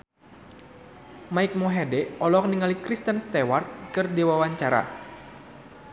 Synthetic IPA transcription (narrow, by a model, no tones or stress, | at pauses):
maik̚mɔɦedɛɔlɔkniŋalikɾist̪ənst̪ewart̪̚kɨrdiwawaɲt͡ʃaɾa̰